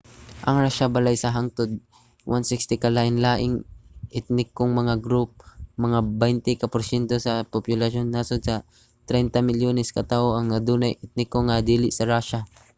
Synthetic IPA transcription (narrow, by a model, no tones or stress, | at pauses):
ʔɐŋɾaʃabɐlajsɐɦaŋt̪od̪̚ | wʔansɪkst̪ɪkalaːʔɪnlaːʔɪŋʔɪt̪̚nɪkːoŋmɐŋaɡɾup̚mɐŋabɛjnt̪ɪkɐpʊɾsɛnt̪osɐpopjʊlɐʃonːasod̪̚sɐ | t̪ɾɛnt̪ɐmɪljoːnɛskɐt̪aːʔoʔɐŋnɐd̪uːnɐjɪt̪̚nɪkoŋad̪iːlɪʔsɐɾaːʃa